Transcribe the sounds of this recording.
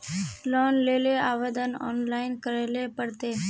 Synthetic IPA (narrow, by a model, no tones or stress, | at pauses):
lɔːnleːleaːʋeːd̪ənɔ̰ːnlaːɪnkəɾeːlepəɽt̪eː